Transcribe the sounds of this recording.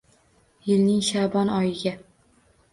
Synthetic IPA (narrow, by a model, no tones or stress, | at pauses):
jɪlnɪŋʃabɒnɒjɪɡʲa